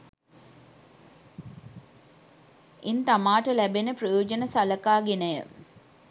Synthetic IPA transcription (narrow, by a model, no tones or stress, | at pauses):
int̪amaːʈəlæbenəprəjoːd͡ʒənəsaləkaːɡenəjə̰